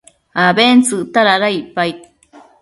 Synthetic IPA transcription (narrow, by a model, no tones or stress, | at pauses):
abent͡sɨʔt̪aɾaɾaipai